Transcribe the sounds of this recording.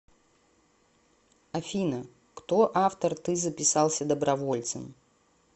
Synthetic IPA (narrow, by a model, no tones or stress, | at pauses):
ɐfʲinə | kt̪o̞ʔaft̪ərt̪ɨzəpʲɪsalˠsʲəd̪əbɾɐvo̞lʲt̪sɨm